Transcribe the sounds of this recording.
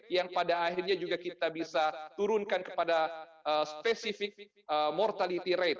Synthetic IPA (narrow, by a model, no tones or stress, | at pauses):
jaŋpadaːɦirɲad͡ʒuɡakit̪abisat̪uɾʊnkankə̥padaʔəspesifɪk̚ | əmɔrt̪alit̪iɾɛt̪̚